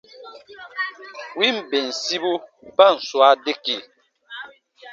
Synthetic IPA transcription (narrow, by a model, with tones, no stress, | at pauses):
wi˦m̩˨be˨n̩˨si˦bu˦ | ba˦˨n̩˨swa˦de˦ki˨